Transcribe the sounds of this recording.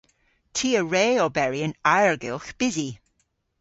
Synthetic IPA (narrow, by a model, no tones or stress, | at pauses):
tʰiːəɹeːobɛɹiənaɹɡɪlˠxb̥ɪzi